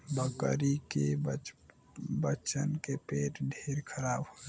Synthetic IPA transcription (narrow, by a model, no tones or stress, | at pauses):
bəkəɾikeb | bət͡ʃənkepeːʈɖʱeːɾkʰəɾaːbɦo